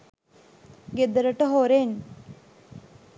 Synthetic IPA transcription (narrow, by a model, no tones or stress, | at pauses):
ɡed̪əɾəʈəɦoɾen